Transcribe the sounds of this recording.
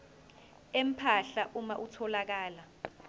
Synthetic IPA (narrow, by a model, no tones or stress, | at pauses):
em̩pʰaɬaʔumaʔutʰɔlak̬aːla